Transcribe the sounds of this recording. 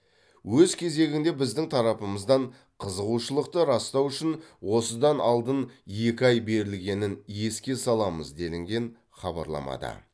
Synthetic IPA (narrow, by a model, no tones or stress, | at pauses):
wɵzkʲʰe̞ze̞ɡʲɪŋd̪e̞bɪzd̪ɪŋt̪ʰɑɾɑpəməzd̪ɑɴ | qʰəzəʁuʃəlˠəq̚t̪əɾɑst̪ɑwʏʃɪnwo̞səd̪ɑnʔɑ̰lˠd̪ənje̞kʲɪɑjbe̞ɾɪlɡʲe̞nɪnje̞skʲe̞sɑlˠɑmə̰zd̪e̞lɪŋɡʲe̞n | χɑbɑ̰ɾlˠɑ̰mɑ̰d̪ə̰